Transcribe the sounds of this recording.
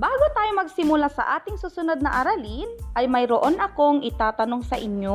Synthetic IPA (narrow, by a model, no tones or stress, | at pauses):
baːɡot̪aːjomɐɡ̚sɪmʊlasɐ̰ʔaːt̪ɪŋsuːsʊnod̪̚nɐʔɐɾɐlinʔɐjmɐjɾoʔonɐko̞ŋɪt̪aːt̪ɐno̞ŋsɐʔɪɲjo